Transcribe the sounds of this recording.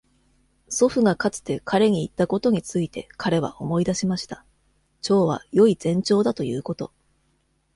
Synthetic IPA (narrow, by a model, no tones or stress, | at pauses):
so̞ɸɯ̟ɡakat͡sɨ̥t̪e̞kʰaɾe̞ɲ̟iːt̪ːako̞t̪o̞ɲ̟it͡sɨit̪e̞kʰaɾe̞βa̰ʔo̞mo̞id̪aɕimaɕi̥t̪a | t͡ɕo̞ːβa̰jo̞izẽ̞ɲ̟t͡ɕo̞ːd̪at̪o̞jɯːko̞t̪o̞